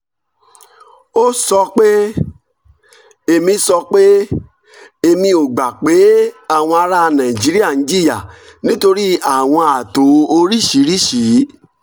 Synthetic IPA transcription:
o˦sɔ˧k͡pe˦ | e˨mĩ˧sɔ˧k͡pe˦ | e˧mĩ˧o˨ɡ͡ba˨k͡pe˨˦a˦˨w̃ɔ̃˧a˧ɾa˦˧nã˨ĩ˨d͡ʒi˨˦ɾi˦a˦˨nĩ˨˦d͡ʒi˦li˦a˦˨nĩ˦to˧ɾi˦a˦˨w̃ɔ̃˧a˨to˨˦o˧ɾi˦˨ʃi˨˦ɾi˦˨ʃi˨˦

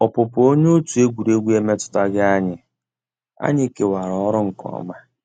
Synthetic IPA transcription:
ɔ˨pʊ˨pʊ˨˦o˦ɲ˦o˦tu˨e˦ɡʷu˨ɾe˦ɡʷi˦e˦me˦tʊ̥˨ta˦ɡɪ˦a˦ɲɪ˨ | a̰˦ɲɪ˦ke˨wa˨ɾɔ˨ɔ˦ɾʊ˦ŋ̩˨kɔ̰˨˦ma˦

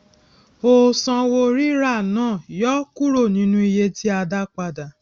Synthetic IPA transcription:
o˧sã˧wo˧ɾi˦ɾa˦˨nãː˦˨jɔ˦ku˦ɾo˦˨nĩ˨˦nũ˦i˧je˧ti˦a˧da˧k͡pa˧da˨

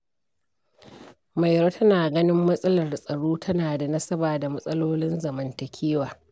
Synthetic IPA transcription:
ma˨jɾoː˦tʰɐ˦naː˨ɡɐ˦nɪ˦mːɐ˦sʼɐ˦lɐ˨rsʼɐ˨ɽoː˦tʰɐ˦naː˨da˨nɐ˦sɐ˦baː˨da˨mɐ˦sʼɐ˦loː˦lɪ˦nzɐ˨mɐ˨ntɐ˨kʲʰeː˦waː˨

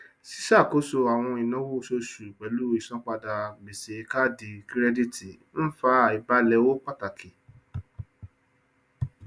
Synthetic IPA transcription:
si̥˦ʃa˦˨ko˨˦so˧a˨w̃ɔ̃˧i˨nã˨˦wu˦˨so˧ʃu˨i˨k͡pɛ˨˦lu˦i˨sɔ̃˦k͡pa˧da˨me˨se˨˧ka˦˨di˨kɾɛ˦di˦ti˨ | n̩˦fa˧˦a˨i˨ba˨˦lɛ˧wo˦k͡pa˦˨ta˨kʰi˨

